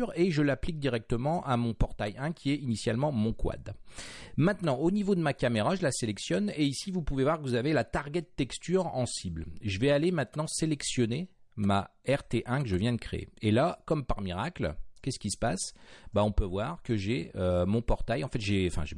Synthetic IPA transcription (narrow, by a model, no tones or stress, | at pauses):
ʁeʒəlaplik̚d̪iʁɛk̚t̪əmɑ̃ʔamɔ̃pɔʁt̪ajɛ̃kʲʰiɛinisjalmɑ̃mɔ̃kwa̰d̪ | mɛ̃t̪nɑ̃onivod̪əmakameʁaʒəlaselɛksjɔneisivupuvevwaʁkəvuzavelat̪aʁɡʲɛt̪ːɛkst̪yʁɑ̰̃siblʒəvɛalemɛ̃t̪nɑ̃selɛksjɔnemaɛʁt̪eʔɛ̃kəʒəvjɛ̃d̪əkχḛḛelakɔmpaʁmiʁaklkʲɛskʲisə̥pasbaɔ̃pøvwaʁkəʒɛømɔ̃pɔʁt̪ajɑ̃fɛt̪ʒeɑ̃fɛ̰̃ʒe